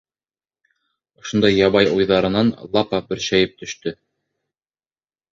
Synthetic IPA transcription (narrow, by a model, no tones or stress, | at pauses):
ŏʃŏnd̪ɑjːɑβɑjujðɑɾɤ̆nɑnlˠɑpɑbɵ̆ɾʃæjɘp̚t̪ɵ̆ʃt̪ɵ